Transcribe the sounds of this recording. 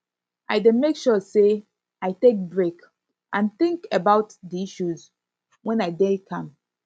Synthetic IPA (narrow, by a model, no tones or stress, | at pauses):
ʔaɪdẽmekʃɔse | aɪtek̚bɹek | ʔãnθɪ̃ŋkebaʊtdiiʃuz | wɛ̃naɪdɛ̃kʰãm